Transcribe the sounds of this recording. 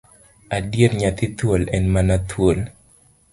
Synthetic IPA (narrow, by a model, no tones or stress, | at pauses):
adjeɾɲat̪it̪wolɛnmanat̪ʰwol